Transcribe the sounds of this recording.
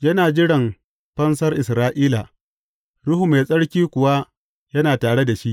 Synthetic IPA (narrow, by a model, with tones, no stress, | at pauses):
jɐ˦naː˨d͡ʒɪ˦ɽɐ˨m | ɸɐ˦ns̬ɐ˦rʔɪ˨sɾaː˦ʔiː˦la˨ | ɽʊ˦ɦu˨me˨sʼɐ˦ɽkʲiː˦kʷʊ˨wa˦ | jɐ˦naː˨taː˨ɽe˦da˨ʃi˦ʔ